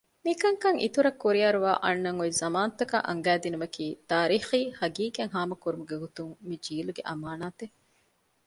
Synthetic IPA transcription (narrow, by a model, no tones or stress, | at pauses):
mikɐŋkɐŋʔḭt̪uɾɐkːuɾiɐɾuʋa̰ːʔɐnːɐŋoizɐmaːnɐt̪ːɐka̰ʔɐ̰ŋɡæːd̪inumɐkiːt̪aːɾiːxiːhɐɡiːkeŋɦaːmɐkuɾumuɡeɦut̪uŋmid͡ʒiːluɡeʔɐmaːnaːt̪e